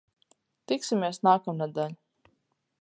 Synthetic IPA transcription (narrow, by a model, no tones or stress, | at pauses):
t̪iksimʲeɛsnaːkamnad̪aʎʲ